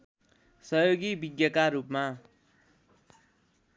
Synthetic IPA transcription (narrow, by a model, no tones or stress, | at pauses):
sʌjoɡibiɡjʌkaɾupma